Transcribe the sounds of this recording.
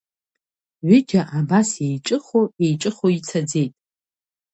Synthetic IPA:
ʕʷʏd͡ʒʲaʔabasjejʈ͡ʂʼɨχoe̞jʈ͡ʂʼɨχoit͡sʰad͡ze̞jtʼ

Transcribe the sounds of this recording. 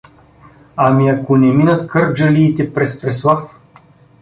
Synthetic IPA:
amiakonɛminət̪kɤɾd͡ʒəliːt̪ɛpɾɛspɾɛslˠaf

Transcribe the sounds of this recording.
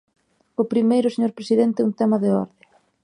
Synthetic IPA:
ʊpɾimejɾʊseɲoɾpɾesiðɛnt̪ɛunt̪ɛmɐðɪɔ̰ɾðɪ

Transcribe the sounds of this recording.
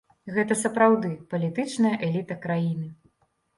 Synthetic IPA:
ɣɛt̪̬ɐsɐpɾawd̪ɨpɐlʲit̪ɨt͡ʂnɐjɐʔɛlʲit̪ɐkɾajinɨ

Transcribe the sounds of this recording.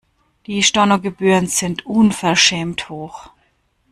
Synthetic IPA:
d̥iːʃtɔɐnoɡəbyːʁənz̥ɪntʔʊnfɛɐʃɛːmthoːx

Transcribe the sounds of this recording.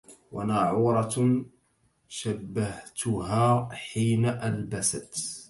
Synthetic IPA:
wanaʕuːɾˤɑ | ʃabːaht̪ʊɦaːħiːnaʔalbasat̪

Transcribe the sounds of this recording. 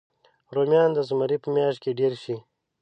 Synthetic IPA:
ɾomjɑːnd̪əzumaɾipəmjɑːʃ̚keɖeɾʃi

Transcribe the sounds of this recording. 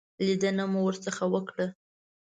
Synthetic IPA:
lid̪ənamuwəɾt͡səxawəkɽə

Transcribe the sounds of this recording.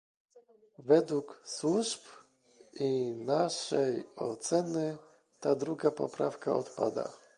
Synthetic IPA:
vɛd̪wukswuʐp | inaʂɛjɔt̪sɛnɘ | t̪ad̪ɾuɡapɔ̰pɾafkaɔt̪pad̪a̰

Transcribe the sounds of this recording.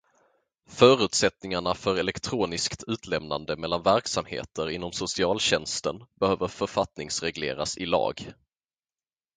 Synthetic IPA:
fœːɾʉ̟ːt̪sɛt̪nɪŋaɳafœɾɛlɛkt̪ʰɾuːnɪskt̪ʰʉ̟ːt̪ʰlɛmna̰nd̪əmɛlːanvæɾksamhḛːt̪əɾɪnːɔmsʊsɪɑːlɕɛnst̪ənbɛhøːvəɾfœɾfat̪nɪŋsɾɛɡlḛːɾa̰sɪlɑ̰ːɡ

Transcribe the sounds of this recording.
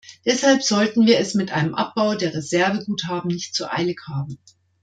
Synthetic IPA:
d̥ɛshalpz̥ɔltn̩viːɐɛsmɪtʔa̰ɪnəmʔa̰p̚b̥aʊdeːɐʁezɛɐvəɡuːthaːbm̩nɪçtt͡suʔa̰ɪlɪkhaːbm̩

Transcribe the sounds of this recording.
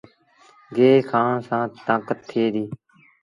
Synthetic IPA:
ɡeːkʰãːsãːt̪ãːkət̪ʰːeːd̪iː

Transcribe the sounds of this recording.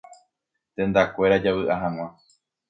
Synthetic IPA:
t̪ẽ̞nd̪akʷe̞ɾad͡ʒaβɨʔaɦãŋ̃ã

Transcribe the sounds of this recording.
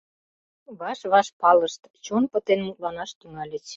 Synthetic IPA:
βɑʃβɑʃpɑləʃt̪t͡ɕonpə̆t̪enənlɑnɑʃt̪yŋɑlʲət͡ɕ

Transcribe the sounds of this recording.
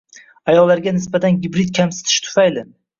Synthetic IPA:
ajɒlːaɾɡʲanɪsbat̪ʰanɡʲɪbɾɪd̪kʲʰamsɪ̥t̪ʰɪ̥ʃt̪ʰʊ̥fajlɪ

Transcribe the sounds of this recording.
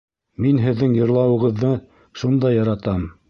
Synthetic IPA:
minɦɘ̆ðːɘŋjɤ̆ɾlˠɑwɤ̆ʁɤ̆ðːɤ | ʃund̪ɑjːɑɾɑt̪ɑm

